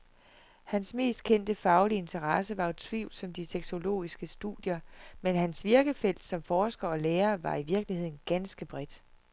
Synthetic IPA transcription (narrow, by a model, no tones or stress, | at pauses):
hænsme̝̰ːsd̥̚kʰen̰d̥əfɑ̈ʊlie̝nt͡sʰɐʁɑsəʋɑ̈t͡sʰʋḭʊl̥sɒ̽md̥iseɡ̥so̝lo̝̰ːisɡ̥əsd̥ṵðˠjɐmenɦænsʋiɐɡ̥əfel̰d̥sɒ̽mfɒːsɡ̥ɐɒ̽leːɐʋɑ̈iʋiɐɡ̥lihe̝ð̰ˠn̩ɡ̥ænsɡ̥əb̥ʁɛd̥